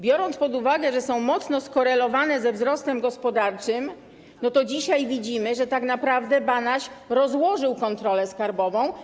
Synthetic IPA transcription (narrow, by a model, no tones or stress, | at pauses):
bʲjɔɾɔnt̪pɔd̪uvaɡɛʐɛsɔ̃w̃mɔt̪snɔskɔɾɛlɔvanɛzɛvzɾɔst̪ɛmɡɔspɔd̪aɾt͡ʂɘm | nɔt̪ɔd͡ʑiɕajvʲid͡ʑimɘʐɛt̪aknapɾavd̪ɛbanaɕɾɔzwɔʐɘwkɔnt̪ɾɔlɛskaɾbɔvɔ̃w̃